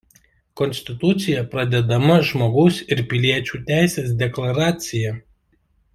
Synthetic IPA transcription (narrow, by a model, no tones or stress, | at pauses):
kɔnʲsʲt̪ʲɪt̪ʊt̪sʲɪjɛpɾɐd̪ʲɛd̪ɐmɐʒmoːɡɐʊsɪɾpʲɪlʲiɛt͡ʃʲuːt̪ʲæˑɪsʲeːs̬d̪ʲɛklˠɐɾɑːt̪sʲɪjɛ